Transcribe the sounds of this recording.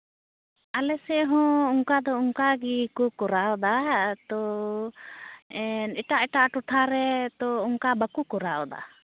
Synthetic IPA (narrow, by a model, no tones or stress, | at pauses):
alɛsɛɦɔ̃uŋkad̪ɔuŋkaɡikukɔɾaɔd̪at̪ɔ | ɛnɛʈaʔɛʈaʔʈɔʈʰaɾɛt̪ɔuŋkabakukɔɾaɔd̪a̰